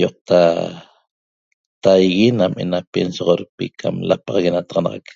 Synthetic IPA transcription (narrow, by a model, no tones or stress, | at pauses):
joq̚t̪a | t̪ajɣinamʔe̞̰napensoʁoɾpḭkʰa̰mlapɑʁɑɣenat̪ɑʁɑnɑʁɑ̰k